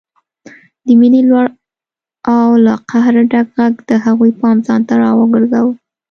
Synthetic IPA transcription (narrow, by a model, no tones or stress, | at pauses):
d̪əminilwaɽ | awlaqahɾɖaɡɣaɡd̪̥əɦaɣujpɑmzɑnt̪aɾɑwəɡəɾɡawə